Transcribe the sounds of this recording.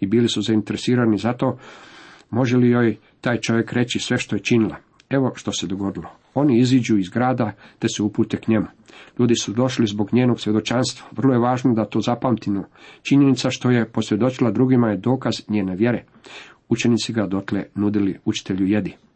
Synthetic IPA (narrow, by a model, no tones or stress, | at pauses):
ibiːlisuzaint̪eɾesiːɾanizat̪o̞ː | mo̞ʒelijoːj | t̪aːjt͡ʃo̞ʋjekɾe̞t͡ɕisʋe̞ʃt̪o̞je̞t͡ʃinilˠa̰ | e̞ʋo̞ʃt̪o̞se̞d̪o̞ɡo̞d̪ilˠo | o̞niizid͡ʒuizɡɾaːd̪at̪e̞seupuːt̪ekɲe̞mu | ʎuːd̪isud̪o̞ʃlizbo̞ɡɲeːno̞ɡsʋje̞d̪o̞t͡ʃaːnst̪ʋaʋr̩lˠojeʋaːʒnod̪at̪o̞ːzapamt̪imot͡ʃiɲe̞nit̪saʃt̪o̞je̞po̞sɾje̞d̪o̞t͡ʃilˠad̪ɾuɡimajed̪o̞ːkazɲeːneʋje̞ɾe | ut͡ʃe̞nit̪siɡad̪o̞t̪lḛnud̪iliut͡ʃi̥t̪e̞ʎuje̞d̪i